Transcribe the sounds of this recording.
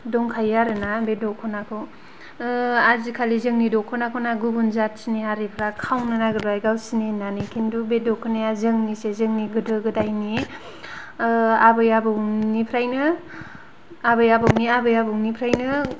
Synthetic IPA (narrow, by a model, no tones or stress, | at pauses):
dɔŋkʰajaɾɯnabedɔkʰɔnakʰɯw | azikʰalizɯŋnidɔkʰɔnakʰonaɡubunzat̚siniɦaɾipʰɾakʰawnanaɡɯdajɡawsinenanikʰindubedɔkʰɔnajazɯŋnisezɯŋniɡɯdɯɡɯdajni | abɯjabɯwnipʰɾajnɯ | abɯjabɯwniabɯjabɯŋnipʰɾajnɯ